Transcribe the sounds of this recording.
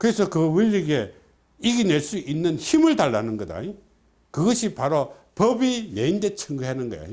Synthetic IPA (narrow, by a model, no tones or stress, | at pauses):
kɯɾesʰʌkɯwɯʎːiɡe̞ | iɡineɭs͈uʔinːɯnçimɯɭtaɭːanɯnɡʌda̰ɲi | kɯɡʌɕʰipaɾo | pʌbine̞indet͡ɕʰɯŋɡɯɦanɯnɡʌ̰ja̰